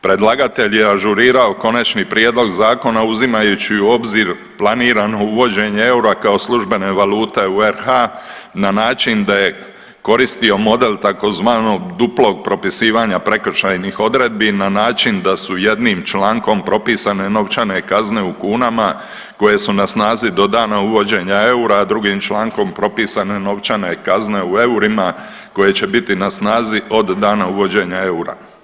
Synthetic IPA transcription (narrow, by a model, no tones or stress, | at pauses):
pɾe̞d̪lˠaɡat̪e̞ʎjeaʒuɾiːɾao̞ko̞nat͡ʃnipɾjeːd̪lo̞ɡzaːko̞nauzimajut͡ɕiuo̞bziɾ | plˠaniːɾano̞uʋo̞d͡ʑe̞ɲeeuɾakao̞slˠuʒbe̞ne̞ʋaluːt̪e̞ueɾhananaːt͡ʃind̪aje̞ | ko̞ɾist̪io̞mo̞d̪e̞lt̪ako̞zʋaːno̞ɡd̪uplo̞ɡ̚pɾo̞pisiːʋaɲapɾe̞kr̩ʃajnixo̞d̪ɾe̞d̪̚binanaːt͡ʃind̪asuje̞d̪nimt͡ʃlaːŋko̞mpɾo̞piːsane̞no̞ʋt͡ʃane̞kazne̞ukuːnama | ko̞je̞sunasnaːzid̪o̞d̪aːnauʋo̞d͡ʑe̞ɲae̞uɾaːd̪ɾuɡiːmt͡ʃlˠaːŋko̞mpɾo̞piːsane̞no̞ʋt͡ʃane̞kazne̞ue̞uɾima | ko̞je̞t͡ɕe̞bit̪inasnaːzio̞d̪ːaːnauʋo̞d͡ʑe̞ɲae̞uɾa̰